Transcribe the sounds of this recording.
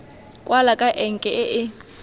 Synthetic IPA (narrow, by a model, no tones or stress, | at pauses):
kʼwalakʼaʔɛŋkʼɛʔɪʔɪ